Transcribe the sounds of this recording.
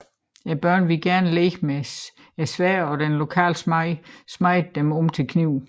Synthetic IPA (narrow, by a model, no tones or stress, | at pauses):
æb̥ɶɐ̰nʋe̝lɡ̥æɐnəleːɡ̥me | æsʋæɐɒ̽d̥enlo̝kʰɛ̰ːlsmɑɪ̰smɑ̈ɪ̰d̥̚ːemɔ̽mt͡sʰe̝lkʰniʊ̰